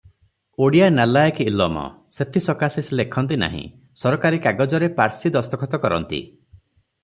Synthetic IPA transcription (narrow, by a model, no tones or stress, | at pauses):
oɽijanalajekilɔmɔ̰ | set̪ʰisɔkasislekʰɔnt̪̬ina̰ɦḭ̃ | sɔɾɔkaɾikaɡɔd͡ʒɔɾepaɾsid̪ɔst̪ɔkʰɔt̪ɔkɔɾɔ̰nt̪ḭ